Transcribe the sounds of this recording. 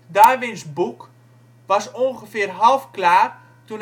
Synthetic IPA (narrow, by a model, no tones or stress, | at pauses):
daːʋɪnsbuk | ʋɑsonχəfɪːrɦɑlˠfklaːr | tun